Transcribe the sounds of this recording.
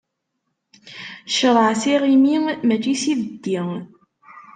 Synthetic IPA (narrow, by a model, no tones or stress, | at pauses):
ʃəɾˤəʕsiʁimimæt͡ʃːisiðəd̪ːiŋ